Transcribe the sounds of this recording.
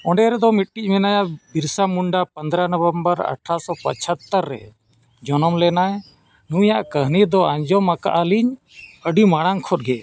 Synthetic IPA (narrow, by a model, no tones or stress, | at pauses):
ɔ̃ɳɖɛɾɛd̪ɔmiʈ̚ʈic̚ˀmɛnajaʔbiɾsamuɳɖapənd̪ɾanəbəmbəɾə̰ʈʰasɔpə̰t͡ʃʰət̪ːəɾːɛ̰ | d͡ʒɔnɔmlɛnaj | nujaʔkəɦnid̪ɔaɲd͡ʒɔmaka̰ʔaliɲ | əɖimaɽ̃aŋkʰɔt̚ɡɛ